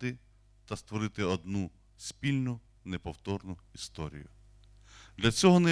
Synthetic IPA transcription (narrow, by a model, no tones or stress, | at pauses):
t̪ɪ | t̪ɐst̪ʋɔɾɪt̪ɪɔd̪nu | spʲilʲnʊ | nepɔwt̪ɔrnʊist̪ɔɾʲḭjʊ | d̪lʲɐt͡sʲɔɦɔnɛ